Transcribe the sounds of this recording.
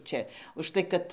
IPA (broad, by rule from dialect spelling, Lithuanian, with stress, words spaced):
ˈt͡ʃʲɛ ʊʃˈtɐɪ kɐt